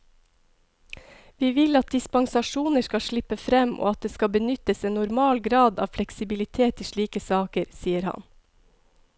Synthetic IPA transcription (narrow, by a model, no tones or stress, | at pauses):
ʋiːʋɪlɑt̪̚d̪ɪspɑŋsɑʃuːnəʃkɑʃɭɪpəfɾɛmʔo̰ːɑt̪̚d̪eːskɑbənʏt̪əseːnnʊɾmɑːlɡɾɑːd̪ɑ̰ːʋflɛksɪbɪlɪt̪ʰeːt̪ɪːʃɭiːkəsɑːkəɾsiːəɾhɑ̰n